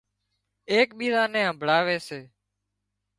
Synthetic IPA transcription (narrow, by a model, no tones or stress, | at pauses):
eːkɓiːɾaːnẽːɦə̃mbʱɭaːʋeːseː